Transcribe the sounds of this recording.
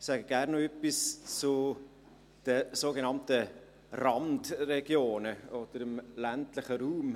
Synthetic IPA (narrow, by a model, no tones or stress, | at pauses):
sɛɡəɡ̥æːɾnoœpist͡sʊ | d̥əsoːɡenɑmtə | rɑndrɛɡjoːnəɔd̥əɾɪmlæntlɪχəɾuːm